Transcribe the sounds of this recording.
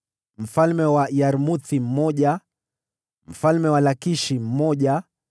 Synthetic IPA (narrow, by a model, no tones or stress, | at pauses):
m̩falmɛwaijaɾmuθim̩mɔʄa | m̩falmɛwalakiʃim̩mɔʄa